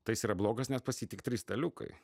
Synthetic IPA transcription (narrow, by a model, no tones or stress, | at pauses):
t̪ɐɪjɪsiːɾɐblˠoːɡɐsnʲɛspɐsʲiːt̪ʲɪkt̪ʲɾʲiːst̪ɐlʲʊkɐ̰ɪ